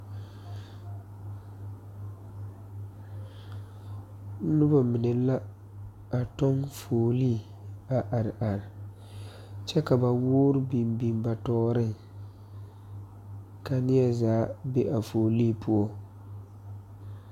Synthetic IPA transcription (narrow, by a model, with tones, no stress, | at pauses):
nʊ˦ba˨mɪ˨nɨ˨la˦ | a˨to˦ŋfoː˨liː˦˨ | a˨ʔa˨ɾʔa˨ɾɪ˨ | t͡ʃɛ˦ka˨ba˨woː˦ɾɨ˦bi˨mbi˦mba˨tɔː˦ɾɨ˦ŋ | ka˨nɪ˦ja˦zaː˨˦be˦ʔa˨foː˨li˦˨pʰu˦ɔ˦